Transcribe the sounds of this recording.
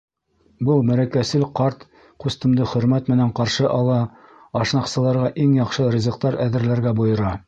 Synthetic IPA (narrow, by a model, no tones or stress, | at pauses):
bɤlˠmæɾækæsɘlqɑɾt̪ | qʉst̪ɘ̆md̪ɘχɵ̆ɾmæt̪mɘ̆næɴqɑɾʃɤʔɑlˠɑ | ɑʃnɑqsɤ̆lˠɑɾʁɑʔiŋjɑqʃɤɾʲɪzɤ̆qt̪ɑɾæðɘ̆ɾlæɾɡæbŏjɤ̆ɾɑ